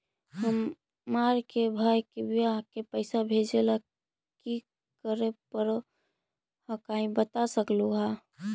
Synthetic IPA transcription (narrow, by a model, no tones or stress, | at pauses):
həmː | aɾkebʱaːjkebijakepəɪsabʱed͡ʒela | ki | kəɾepəɾo | hə̃kaɦĩbət̪asəkluɦa